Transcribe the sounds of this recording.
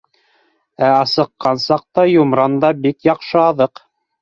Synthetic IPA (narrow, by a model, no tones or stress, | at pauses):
æɑsɤ̆qːɑnsɑq̚t̪ɑjumɾɑnd̪ɑbikjɑqʃɤɑðɤq